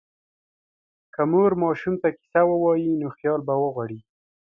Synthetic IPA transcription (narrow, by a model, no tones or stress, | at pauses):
kamoɾmɑʃumt̪aki̥sawəwɑjinoxjɑlbawəɣwaɽi